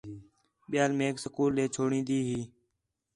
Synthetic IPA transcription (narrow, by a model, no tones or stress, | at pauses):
ɓɪjaːlmeːksəkuːlːeːt͡ʃʰoːɽĩːnd̪iːɦiː